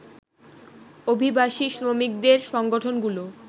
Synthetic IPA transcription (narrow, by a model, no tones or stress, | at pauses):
obʱibaʃiʃɾomik̚d̪eɾʃɔŋɡoʈʰonɡulo